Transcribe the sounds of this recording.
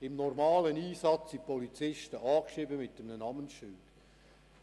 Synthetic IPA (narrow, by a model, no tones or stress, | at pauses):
ɪmnɔrmɑːləniːsɑt͡sːipɔlit͡sɪʃtəʔɑːkʃʁiːbəmɪt̚dəmnənɑmənʃʏlt